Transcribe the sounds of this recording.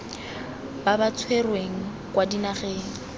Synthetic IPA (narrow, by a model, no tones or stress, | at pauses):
babat͡sʰwerweŋ̩ | kʼwadinaχeːŋ̩